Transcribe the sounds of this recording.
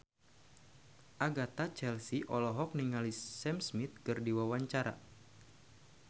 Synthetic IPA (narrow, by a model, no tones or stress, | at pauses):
ʔaɡat̪at͡ʃɛlsiʔɔlɔɦɔk̚niŋalisɛmsmit̪̚kɨrdiwawaɲt͡ʃaɾa̰